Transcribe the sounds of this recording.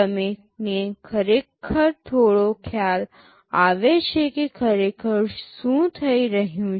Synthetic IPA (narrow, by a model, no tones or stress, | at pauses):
əmẽ | nekʰəɾeːkʰəɾt̪ʰoːɽokʰjaːl | aːʋeʃekekʰəɾeːkʰəɾsũt̪ʰəiɾəɦjũ